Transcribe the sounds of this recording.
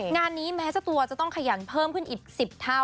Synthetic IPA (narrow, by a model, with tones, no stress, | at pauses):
ŋaː˧nːiː˦˥mɛː˦˥sa˧t̪u˧ɐt͡ɕa˨˩t̪ɔ˥˩ŋkʰa˧ja˩˦npʰɤː˥˩mkʰɯ˥˩nʔiː˨˩k̚si˨˩p̚t̪ʰa˥˩w